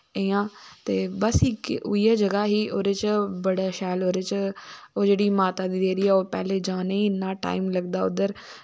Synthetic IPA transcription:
ejãːt̪eːbəsiːkːijaːd͡ʒəɡaːɦiːʔoːɾeːt͡ʃbəɽaːʃɛːloːɾeːt͡ʃoːd͡ʒeːɽiːmaːt̪aːd̪iːd̪eːɾiːɛːoːpɛ̰ːleːd͡ʒaːneːnːãːʈa̰ːiːmləɡd̪aːʊd̪əɾ

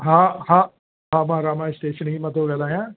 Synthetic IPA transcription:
ɦãːhã | ɦãːmãːɾaːmãːɪsʈeːʃənɦiːmə̃t̪oɡɛːlaːɦɛ̃ː

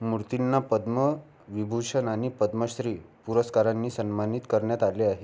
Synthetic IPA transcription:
muɾt̪inːapəd̪mə | ʋibʱuʂənaɽ̃ipəd̪məsɾiːpuɾəskaɾanːiːsənmanit̪kəɾɳjat̪aleaɦe

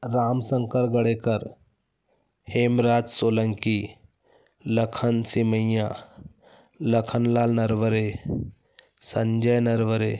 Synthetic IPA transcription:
ɾamsəŋkəɾɡəɽekəɾ | hemɾaːd͡zsoləŋki | ləkʰənsiməja | ləkʰənlaːlnəɾʋəɾe | səɲd͡ʒəjnəɾʋəɾe

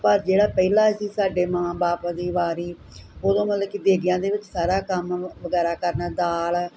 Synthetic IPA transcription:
pəɾd͡ʒeːɽaːpɛilãːsiːsaːɖeːmãːbaːpad̪iːʋaːɾiː | oːd̪õːmət̪ləbkid̪eːɡɪjãːd̪eːʋɪt͡ʃsaːɾaːkəmʋəɡɛːɾaːkəɾnaːd̪aːl

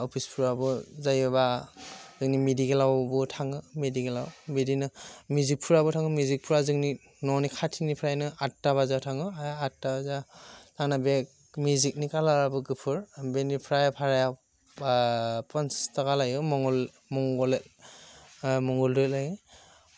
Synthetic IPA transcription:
ɔpʰispʰuɹabɔzajɯβazɯŋnimidiɡelawbɔtʰaŋɯmediɡelawbidinɯmuzik̚pʰuɹabɔtʰaŋɯmjuzik̚pʰuɾazɯŋni | nɔnikʰatʰinipʰɾajnɯatːaβazatʰaŋɯajatːabazatʰaŋnabe | mjuzik̚nikalabɯɡɯpʰɯɹbenipʰɾajpʰaɹaja | panstakalajɯmɔŋɔl | mɔŋɡɔlet | mɔŋɡɔldɔlajɯ

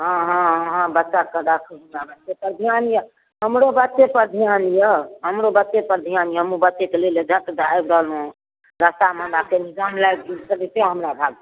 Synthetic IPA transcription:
ɦãɦãɦãbətːʃakəɾakʰənabətːʃepəɾd̪ʱijanjə | ɦəmɾobətːt͡ʃːepəɾd̪ʱijanjəɦəmɾobətːʃepəɾd̪ʱijanjəɦəmubətːt͡ʃekeleled͡ʒʱət̪d̪ajbɾəɦlũ | ɾəst̪amə̃nd̪akenid͡ʒamlab̚ɡilsəɾiseɦəmɾabʱaɡ̚

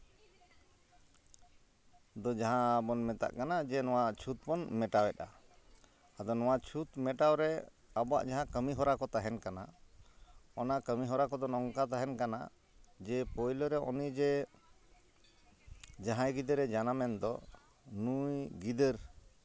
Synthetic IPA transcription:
d̪ɔd͡ʒaɦãbɔnmɛt̪a̰ʔkanad͡ʒɛnɔwat͡ʃʰut̪̚pɔnmɛʈawɛt̪aː | d̪ɔnɔwat͡ʃʰut̪mɛʈawɾɛ | abɔwa̰ʔd͡ʒaɦãkəmiɦɔɾakɔt̪aɦɛnkana | ɔnakəmiɦɔɾakɔd̪ɔnɔŋkat̪aɦɛnkana̰ | d͡ʒɛpɔjlɔɾɛʔɔ̰nid͡ʒɛ | d͡ʒaɦãjɡid̪əɾɛd͡ʒanamɛnd̪ɔ | nujɡid̪əɾ

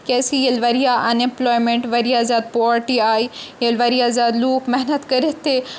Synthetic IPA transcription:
kɛːsijɐlʋɐɾijaʔɐnẽmplɔːjmẽɳʈʋɐɾijazaːd̪̚poɾʈiaːjjɐlʋɐɾijazaːd̪luːkmɛɦnət̪kɐɾit̪ːe

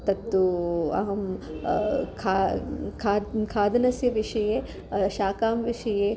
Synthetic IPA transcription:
t̪ɐt̪ːuɐ̰ɦɐm | kʰaːkʰaːkʰaːd̪ɐnɐsjɐʋiʂɐjeː | ʃaːkaːmʋiʂɐjeː

